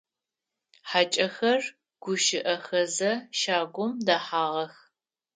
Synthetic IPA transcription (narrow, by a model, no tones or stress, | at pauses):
ħat͡ʃʼɐxɐr | ɡ̥ʷʊʃɪʔɐxɐzɐʃaːɡʷʊmdaːħaːʁɐx